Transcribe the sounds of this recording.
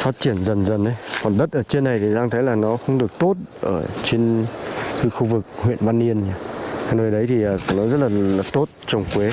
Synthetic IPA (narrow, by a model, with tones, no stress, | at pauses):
faː˦˥t̚t͡ɕi˧˩ənzə˨˩nzə˨˩nʔə˨˦jkɔ˨˩nɗə˦˥t̚ʔəː˧˩t͡ɕe˧nːa˨˩jt̪ʰi˨˩ɗaː˧ŋt̪ʰə˨˦jlaː˨˩nɔ˨˦xə˧wŋ͡mɗɨ˨˩ək̚t̪o˦˥t̚ʔəː˧˩t͡ɕe˧nxɨ˨˦xu˧vɨ˨˩k̚hwḭ˧˨ənvaː˧nːi˧ənɲaː˧a˧˩nəː˨˩jɗə˨˦jt̪ʰi˨˩ʔəː˨˩˧nɔ˨˦zə˦˥t̚laː˨˩laː˨˩t̪o˦˥t̚t͡ɕə˨˧˩wŋ͡mkwe˨˦